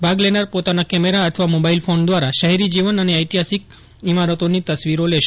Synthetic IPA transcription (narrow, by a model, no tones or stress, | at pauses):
bʱaɡlenaɾpot̪anakɛmeɾaət̪ʰʋamobailfond̪ʋaɾaʃəɦɛɾid͡ʒiʋənəneəjt̪iɦasik̚ | imaɾət̪onit̪əsʋiɾoleʃ